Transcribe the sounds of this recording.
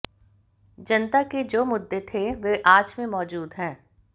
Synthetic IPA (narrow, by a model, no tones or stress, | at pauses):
d͡ʒɐnt̪aked͡ʒoːmʊd̪ʱːet̪ʰeʋeʔaːd͡ʒmẽmɔːd͡ʒuːd̪ɦɛ̃ː